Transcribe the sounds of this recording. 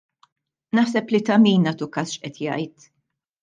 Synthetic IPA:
nɐħsɛplit̪ɐmiːnːɐːt̪ukɐːsʃʔɛt̪jɐ̰jt̪

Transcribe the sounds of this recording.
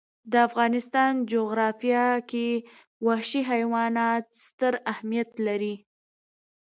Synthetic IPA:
d̪əafɣɑnɪst̪ɑnd͡ʒoɣɾɑfjɑke | waʃiɦajwɑnɑt̪st̪əɾahmijat̪laɾi

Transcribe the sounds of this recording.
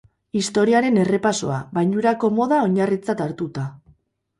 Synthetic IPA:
ist̪o̞ɾiaɾe̞ne̞re̞paso̞̰aβajɲuɾako̞mo̞ðao̞ɲarit͡sat̪aɾt̪ut̪a

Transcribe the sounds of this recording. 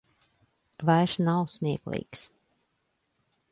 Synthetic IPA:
vajɾsnawsmʲiɛklˠḭːks

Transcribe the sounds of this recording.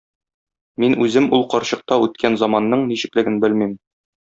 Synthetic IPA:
minʉzɘmulˠqɒɾɕɤ̆q̚t̪ɑʉt̪̚kʰænzɒmɑnːɤɴniɕɘ̆klɘ̆ɡɘnbɘlmim

